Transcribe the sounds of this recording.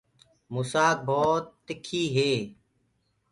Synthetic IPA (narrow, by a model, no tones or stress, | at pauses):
muːsaːk̚bʱoːt̪ːɪkʰːiːɦeː